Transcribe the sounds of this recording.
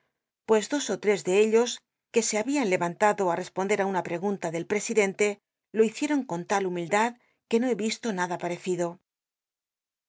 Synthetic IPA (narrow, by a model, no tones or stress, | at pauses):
pwe̞zd̪o̞so̞t̪ɾe̞zðe̞eʎo̞s | ke̞se̞aβianle̞βant̪aðo̞are̞spond̪e̞ɾaunapɾe̞ɣ̞unt̪aðe̞lpɾe̞siðe̞nt̪e̞ | lo̞iθje̞ɾo̞ŋko̞nt̪alumild̪að | ke̞no̞e̞βist̪o̞naðapaɾe̞θiðo̞